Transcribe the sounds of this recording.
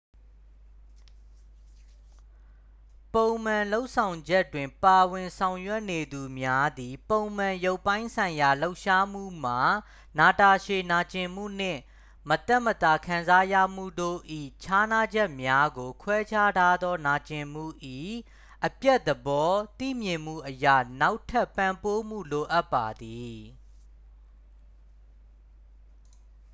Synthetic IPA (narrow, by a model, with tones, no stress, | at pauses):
põ˨ʊ̃m̥ã˨lo˦ʊʔsʰã˨ʊ̃ɲd͡ʑɛ˦twɪ̃˨mpa˨wɪ̃˨nsʰã˨ʊ̃jwɛ˦ʔne˨d̪u˨mja˦d̪i˨põ˨ʊ̃m̥ã˨jo˦ʊpːã˦ɪ̃nsʰã˨ɪ̃ja˨lo˦ʊʔʃa˦m̥ṵ˦˨m̥a˨ | na˨ta˨ʃe˨na˨t͡ɕɪ̃˨m̥ṵ˦˨n̥ɪ̰̃˦˨ | mət̪ɛ˦ʔmət̪a˨kʰã˨nza˦jä̰˦˨m̥ṵ˦˨do̰˦˨ʔḭ˦˨t͡ɕʰa˦na˦d͡ʑɛ˦ʔmja˦ɡo˨kʰwɛ˦t͡ɕʰa˦tʰa˦d̪ɔ˦na˨t͡ɕɪ̃˨m̥ṵ˦˨ʔi˦˨ | ʔəpjɛ˦ʔ̪̚əbɔ˦t̪ḭ˦˨mjɪ̃˨m̥ṵ˦˨ʔəja̰˦˨na˦ʊtʰɛ˦˨pːã˨mpo˦m̥ṵ˦˨lo˨ʔa˦pːa˨d̪i˨